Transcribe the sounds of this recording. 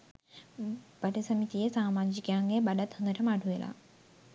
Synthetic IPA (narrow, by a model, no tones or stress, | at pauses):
b̥aʈəsəmit̪ijəsaːmaːd͡ʒikejaŋɡebaɖat̪hond̪əʈəmaʈuʋelʔa̰